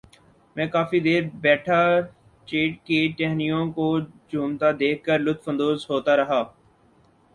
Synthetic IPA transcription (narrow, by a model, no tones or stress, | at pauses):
mɛ̃ːkaːfid̪eːɾbɛːʈʰa | t͡ʃeːʈ̚keʈɛːɦnijõkod͡ʒʱuːmt̪ad̪eːkʰːəɾlʊt̪fə̃nd̪oːzɦoːt̪aɾɐɦaː